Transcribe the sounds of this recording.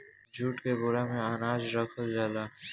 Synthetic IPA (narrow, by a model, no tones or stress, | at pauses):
d͡ʑʱuʈkeboɽameanad͡ʑɾɔkʰeld͡ʑala